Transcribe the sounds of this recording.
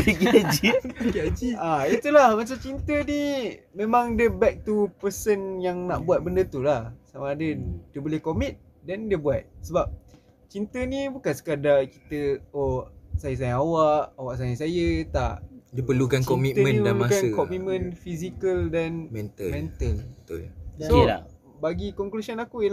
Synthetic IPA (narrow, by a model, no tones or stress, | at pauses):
beɡiad͡ʒiɡad͡ʒiait̪ulahmat͡ʃamt͡ʃint̪ənimẽmãŋdəbɛk̚t̪upəsənjaŋnaʔbuat̪̚bəndət̪ulahsamaːdədiəbolehkomit̪̚ | dɛndiəbuat̪̚səbap̚ | t͡ʃint̪ənibukansə̥kadaki̥t̪əosajəs̬ajaawaʔawaʔs̬ajasajət̪aʔdəpəlukankɔmit̪mə̃naəluakankɔmit̪mə̃nfisikəldanmɛnt̪əlmɛ̃nt̪əlbət̪ṵlsoa̰ | baɡikɔŋklusənakujəl